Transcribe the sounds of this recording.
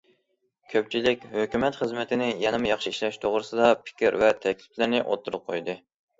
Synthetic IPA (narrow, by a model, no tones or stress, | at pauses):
kʲʰøpt͡ʃʰilɪkʲhøkʲymɛt̪χəzmɪt̪ʰɪnɪjɛnɪmɨjɑχʃiiʃlɛʃt̪ʰoʁɾɨsɨd̪ɑpʰɪ̥kʲiɾvɛt̪ʰɛkʲlɪplɪɾnɪʔo̰t̪ʰːuɾɨp̚qʰojd̪ɨ